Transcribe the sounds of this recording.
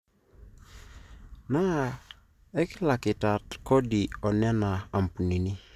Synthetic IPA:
na˦˨ | ɛ˦kɪ˦la˨kɪ˨ta˨tkɔ˦di˨ɔ˨nɛ˦na˨a˨m˨pu˨ni˨ni˦

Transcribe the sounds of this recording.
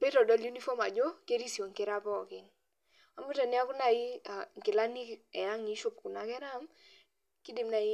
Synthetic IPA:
pe˦tɔ˨dɔ˨˦lju˦ni˦fɔ˦ma˨d͡ʒo˦ke˦ɾi˦si˨ɔ˨ŋkɪ˨ɾa˦pɔ˦˨kɪ˨n | a˨˦mu˦tɔ˨ni˦a˦ku˦na˨i˦a˨ŋ˨kɪ˨la˦ni˦kɛ˨a˦ŋi˨˦ʃo˨pku˨na˨kɛ˦ɾa˦m | ki˦dɪ˨mna˨i˦

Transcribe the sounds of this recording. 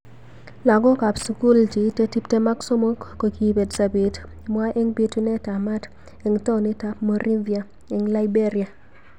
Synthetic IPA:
la˨ɡɔ˦ka˨psu˨ku˦ld͡ʒi˨˦te˦ti˦p̚te˦ma˦kso˦mo˦kko˨ki˨be˨dsa˨bi˨tmwa˦ʔe˦ŋbi˦tu˦nɛ˦ta˨ma˦t | e˨ŋto˦ni˦ta˦pmo˦ɾʔi˦nvia˨ | e˨ŋla˦ɪ˦be˦ɾi˨a˨

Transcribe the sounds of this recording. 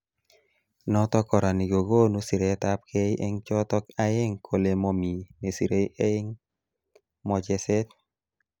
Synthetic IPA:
nɔ˦t̪ɔ˦kɔ˨ɾa˨ni˨ɡo˨ɡo˦nu˦si˨ɾe˨˦ta˦p̚kʰe˦jʔḛ˦ŋt͡ʃɔ˦t̪ɔ˦ka˦e˦ŋkʰo˨le˨mo˨mi˨me˨si˨ɾe˦je˦ŋ | mɔ˨d͡ʒɛ˦sɛ˦t̚

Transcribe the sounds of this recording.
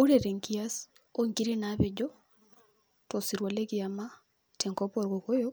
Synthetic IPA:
o˦ɾe˨ɾe˨ŋki˦a˦s | o˦ŋki˦ɾi˦na˦βɪ˨d͡ʒɔ˦ | to˨si˨ɾwa˨le˦kɪa˨ma˦ | te˨ŋko˦po˦˨ɾko˨ko˦jo˦

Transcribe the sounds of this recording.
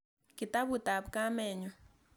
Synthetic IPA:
ki˨ta˦βu˨ta˨βka˦mɛ˨ɲu˨

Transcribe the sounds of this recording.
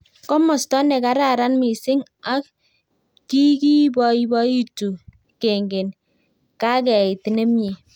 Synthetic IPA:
kɔ˦mɔ˨stɔ˦nɛ˨ka˨˦ɾa˨ɾa˦nmɪ˨sɪ˦ŋ | a˦k̚ː | i˦ki˦bɔ˨i˦bɔ˦i˦tu˨ | ke˨ŋɡe˨n | ka˦kɛ˨ɪ˨tne˦mɲe˨

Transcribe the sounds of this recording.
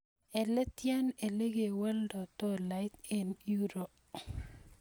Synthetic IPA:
ɛ˨lɛ˦t̪ja˦ne˨le˦ɡe˨wa˦ldɔ˨t̪o˦la˨ɪ˦t̪e˨nju˦ɾo˨p

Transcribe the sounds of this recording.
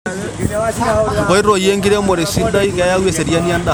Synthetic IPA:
ŋɡɔ˨i˦ɾo˨je˦ŋɡi˦ɾɛ˦mo˨ɾe˨si˦nda˦i˦ɣa˦ja˦we˦sɛ˨ɾja˦nia˦nda˦˨

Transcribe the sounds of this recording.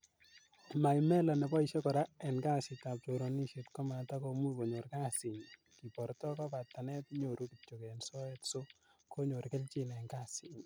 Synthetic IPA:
ma˨ɪ˨mɛ˦lɔ˨nɛ˨bɔ˦i˨ʃɔ˦kɔ˨ɾa˦ɛ˨nka˦sɪ˨ta˨p̚t͡ʃo˨ɾo˨ni˦ʃe˨tkɔ˦ma˨ta˦ko˦mu˦ko˨ɲo˨ɾka˦sɪ˨ɲ | ki˨pɔ˨ɾtɔ˦kɔ˦pa˨t̪ːa˨nɛ˦tɲo˨ɾu˦ki˨t͡ʃːo˨kɛ˨nsɔ˦ɛ˦tso˦ | ko˦ɲo˨ɾkɛ˦lt͡ʃɪ˦n˨ɛ˨nka˦sɪ˨ɲ

